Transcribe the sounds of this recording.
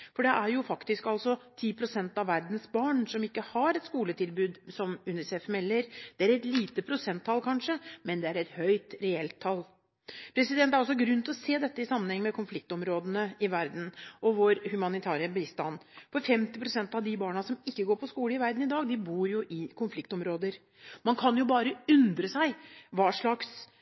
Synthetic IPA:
fɔɖɛʔæɾjʊfɑkt̪ɪskɑlsɔt̪ʰiːpʰɾʊsɛnt̪ɑʋæɾd̪n̩sbɑːɳsɔmɪkːəhɑɾɛt̪skuːlət̪ʰɪlbʉːd̪sɔmʉnɪsɛfmɛlːəɾd̪̥ɛæɾɛt̪liːt̪əpʰɾʊsɛnt̪ʰːɑlkʰɑnʂəmɛnd̪ɛæɾɛt̪hœʏt̪ɾɛɛlt̪ʰːɑl | pʰɾɛsɪd̪ɛnt̪æɾɔs̬ɔɡɾʉnt̪ʰɔseːd̪ɛt̪ːəɪsɑmːənhɛŋːəmɛkʰʊnflɪk̚t̪ɔmɾoːd̪ənəɪʋæɾd̪n̩ɔʋoːɾhʉmɑnɪt̪ʰæːɾəbiːst̪ɑnːpʰɔfɛmt̪ɪpʰɾʊsɛnt̪ɑʋd̪ɪbɑːɳɑsɔmɪkːəɡoːɾpʰɔskuːləɪʋæɾd̪n̩ɪd̪ɑːɡd̪ɪbuːɾjʊʔɪkʰʊnflɪkt̪ɔmɾoːd̪əɾ | mɑnkʰɑnjʊbɑːɾəʉnd̪ɾəsæɪʋɑːʂɭɑks

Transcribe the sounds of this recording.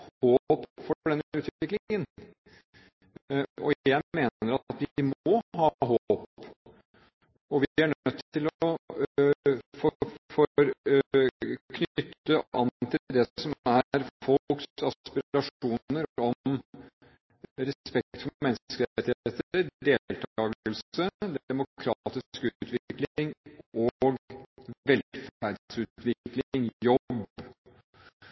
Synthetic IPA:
hoːpfɔɖɛnʉːt̪ʋʋɪklɪŋən | ɔ̰æmeːəɾɑt̪ʋɪmɔɦɑːɦop | ɔʋɪæɳœt̪ːt̪ːɪlɔ | fɔfɔɾ | kʰnʏt̪ːəʔɑnt̪ʰɪlld̪ɛsɔmæɾfɔksɑpɪɾɾɑʂuːnəɾɔ | ɾɛspɛk̚t̪fɔmɛnːkəɾɛɪt̪ːɪheːt̪əɾd̪eːllt̪ʰɑːɡəlsəd̪ɛmʊkʰɾɑt̪ɪskʉːt̪ʰʋɪklɪŋɔɡʋɛlfæɾɖsʉːt̪ʋɪklɪŋjɔb

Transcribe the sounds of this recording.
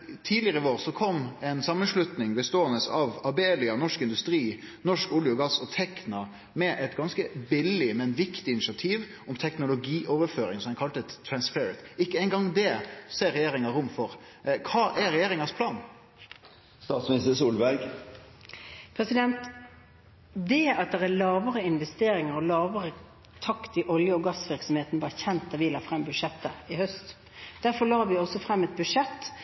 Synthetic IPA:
t̪ʰiːdlɪəʁəʋoːʁsɔkʰɔmːɛnsɑmːənʂlʉt̪nɪŋbəst̪oːənəsɑʋɑbeːlɪɑnɔʂkɪnd̪ʉst̪ɾiː | nɔʂkuːljʊɡɑsːɔt̪ʰɛknɑ | mɛʔɛt̪ɡɑnskəbɪlːɪmɛnʋɪkt̪ɪɪnɪʂɑt̪ʰiːʋ | ɔmt̪ʰɛknʊlʊɡiːʔɔʋəɾføːɾɪŋsɔmæɪkʰɑlt̪əɾɑnspɛɾət̪ɪkːəɛɪŋɡɑŋd̪ɛseːɾɛjeːɾɪŋɑɾʊmfɔɾ | kʰɑːʔɛɾɛjeːɾɪŋɑspʰlɑːn | st̪ɑːt̪smnɪst̪əsuːlʋæɡ | pʰɾɛsɪd̪ɛnt̪ | d̪ɛɑt̪̚d̪ɛʁælɑːʋəɾəɪnʋɛst̪eːɾɪŋəɾɔlɑːʋəɾə | t̪ʰɑkt̪ɪʔɔljəɔɡɑsʋɪɾksɔmheːt̪nbɑːçɛnt̪̚d̪ɑʋɪlɑːfʁɛmːbʉʂɛt̪ːəɪhœst̪ | d̪æɾfɔlɑːɾʋɪɔsːɔfɾɛmːɛt̪̚bʉʂɛt̪ː

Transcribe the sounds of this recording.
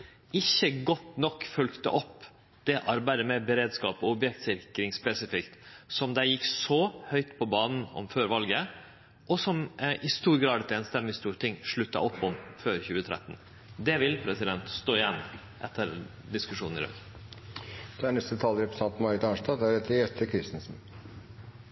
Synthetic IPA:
ɪçəɡɔt̪nɔkːfʉlkt̪ə̰ʔɔpː | d̪̥ɛʔɑɾbæɪd̪əmɛbəɾeːd̪skɑːpɔʊbjɛk̚t̪sɪɾkɾɪŋspɛsɪfɪkt̪sɔmd̪æɪjɪkːsɔhœʏt̪pʰɔbɑːnn̩ɔ̰mføːɾʋɑlɡə | ʔɔsɔmɪst̪uːɾɡɾɑːd̪ɛt̪eːnst̪ɛmːɪst̪uːɾt̪ʰɪŋʂɭʉt̪ːɑ̰ʔɔpːɔmføːɾçʉːət̪ʰɾɛ̰t̪ːn | d̪ɛʋɪlpʰɾɛsɪd̪ɛnt̪st̪oːɪjɛnː | ʔɛt̪ʰːəɾ | d̪ɪskʉʂuːnn̩ɪ̰ɾœ̰k | d̪̥ɛæɳnɛst̪ət̪ʰɑːlɾɛpɾəsɑnt̪n̩mɑɾɪt̪ɑnʂt̪ɑːd̪æɾɛt̪ʰːəɾɛt̪ʰːəkʰɾɪst̪n̩sn̩

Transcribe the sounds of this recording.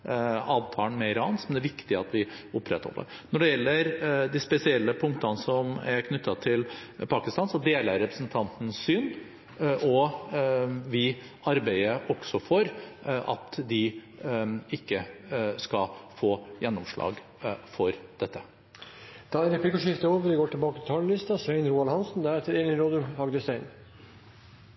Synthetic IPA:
ɑːʋt̪ʰɑːəɳmɛɪɾɑːnsɔmd̪æɾʋɪkt̪ɪɑt̪ʋɪʊpːɾɛt̪hɔ̰lːə̰ɾ | nɔɖɛjɛlːəɾd̪ɪspɛsɪɛlːəpʰʊŋkt̪ɑnəsɔmæɾkʰnʏt̪ːɑt̪ʰɪlpʰɑːkɪst̪ɑːnsɔd̪eːləɾːɛpɾəsnt̪ʰɑnt̪n̩sːyːn | ʔɔ | ʋɪ | ɑɾbæɪəʔɔksɔfɔɾʔɑ̰t̪d̪ɪ | ɪkːəskɑfoːjɛnːɔmʂɭɑ̰ːɡ | fɔɾd̪̥ɛt̪ːə | d̪̥ɑːɛnɾɛplɪkəʂɪft̪əoːʋəɾʋɡoːʈɪlbɑːkət̪ʰɪ̥t̪ʰɑːllɪst̪ɑsʋæɪnɾuːɑlhɑnsn̩d̪æɾɛt̪ːəɾeːlɪnɾoːd̪ʉhɑɡd̪əst̪æɪn

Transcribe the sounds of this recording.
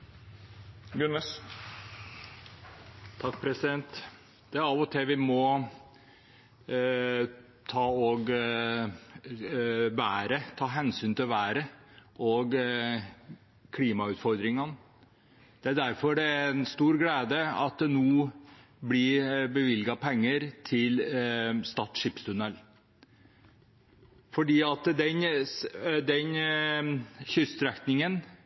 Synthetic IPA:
ɡʉnːəs | t̪ʰɑk̚ːpʰɾɛsɪd̪ɛnt̪ | d̪̥ɛæɾɑʋɔt̪ʰɛʋɪmɔ | t̪ʰɑːɔɡ | bæːɾət̪ʰɑːɦɛnsyːnt̪ɪlʋæːɾəʔɔɡ | kʰliːmɑʉːt̪fɔɾd̪ɾɪŋɑn | d̪̥ɛæd̪æɾfɔɖɛæɾɛnst̪uːɾɡleːd̪əɑ̰t̪̚d̪ɛnoː | blɪbəʋɪlɡɑpʰɛŋːəɾt̪ʰɪlst̪ɑːt̪ʂɪpst̪ʰʉnɛl | fɔɖiːɑt̪d̪ɛn | d̪ɛn | çʏst̪ɾɛk̪nɪŋən

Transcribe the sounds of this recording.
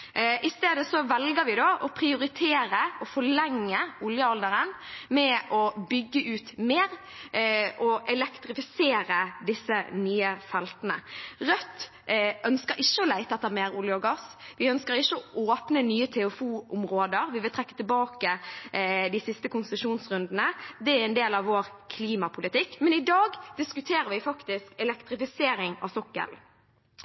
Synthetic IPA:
ʔɪst̪eːd̪əsɔʋɛlɡəɾʋɪd̪oːʔɔpʰʁɪʊɾɪt̪ʰeːɾəɔfɔɭɛŋːəʊljəɔld̪əɾənmɛʔɔbʏɡːəʔʉːt̪meːɾ | ʔɔʔɛlɛkt̪ɾɪfɪseːɾəd̪ɪsːənyːəfɛlt̪ənəʁœt̪ː | ʔœnskəɾɪʃːəɔlæɪt̪əɑt̪ːæːmeːɾʊljəɔɡɑsʋɪœnskəɾɪçːəɔʔoːpnənyːət̪ʰɛʉfuːʊmʁoːd̪əʁʋɪʋɪlt̪ʰʁɛkːə̥t̪ɪlbɑːkə | d̪ɪsɪst̪əkʊnsəʂuːnsʁʉnd̪nəd̪ɛæɾɛnd̪eːlɑʋːoːʁkʰliːmɑpʰʊlɪt̪ɪkːmɛnɪd̪ɑːɡd̪̥ɪskʉt̪ʰeːɾəʋɪfɑkt̪ɪskɛlɛkt̪ɾɪfɪseːɾɪŋɑ̰ʋsɔkːə̰l

